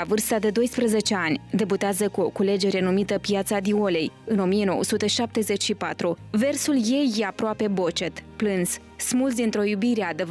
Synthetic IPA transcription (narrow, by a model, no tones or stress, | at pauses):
avɨrst̪ad̪e̞d̪o̞jspɾəze̞t͡ʃe̞anʲd̪e̞but̪eazəkuo̞kule̞d͡ʒe̞ɾe̞numit̪əpjat̪sad̪io̞le̞jɨno̞mijeno̞wəsut̪e̞ʃap̚t̪e̞ze̞t͡ʃʲʃipat̪ɾuve̞rsulje̞jːeapɾoape̞bo̞t͡ʃe̞t̪plɨns | smult̪d̪int̪ɾo̞jubiɾe̞ad̪e